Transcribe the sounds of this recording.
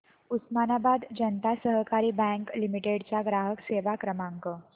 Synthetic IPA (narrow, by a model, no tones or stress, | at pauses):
usmanabad̪d͡ʑənt̪asəɦəkaɾiːbɛ̃ŋklimiʈeɽt͡saɡɾaɦəkseʋakɾəmãŋkə